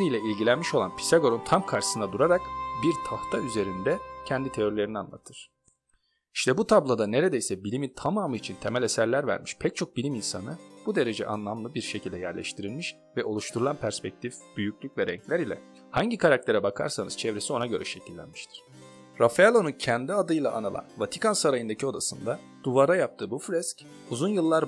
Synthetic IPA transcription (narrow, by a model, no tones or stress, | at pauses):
ɾijlʲɛilʲɟilʲænmiʃo̞lˠanpʰi̥saɡo̞ɾont̪ʰamkʰaɾʃɯ̥sɯnad̪uɾaɾakbiɾt̪ʰaht̪ʰayze̞ɾind̪ɛcʰɛnd̪it̪ʰe̞joɾlʲe̞ɾinia̰nlˠa̰t̪ʰɯɾ̥ | iʃt̪ʰɛbut̪ʰablˠad̪ane̞ɾe̞d̪ejsɛbilʲimint̪ʰamaːmɯit͡ʃʰint̪ʰe̞mælʲesæɾlʲæɾvæ̰ɾmiʃpʰɛc̚t͡ʃʰo̞k̚bilʲiminsanɯbud̪e̞ɾe̞d͡ʒɛ̰ʔa̰nlˠamlˠɯbiɾʃe̞cʰilʲd̪ɛjæɾlʲɛ̰ʃt̪ʰiɾilʲmiʃ | vɛʔo̞lˠuʃt̪ʰuɾulˠanpʰæɾspɛc̚t̪ʰifb̥yjycʰʲlʲycʲvɛɾɛ̰ɲclʲæɾilʲɛ̰ | haɲɟikʰaɾak̚t̪ʰe̞ɾɛbakʰa̰ɾsanɯz̥t͡ʃʰɛvɾe̞sio̞naɟø̞ɾʔɛ̰ʃe̞cʰilʲːæ̰nmiʃt̪ʰi̥ɾ̥ | ɾafalˠo̞nucʰænd̪iad̪ɯjlˠa̰ʔːnɯlˠa̰nvat̪ʰi̥kʰansaɾajɯnd̪acʰio̞d̪asɯnd̪a | d̪̥uvaɾajap̚t̪ʰɯːbuflʲɛsc | uzunjɯlˠːaɾ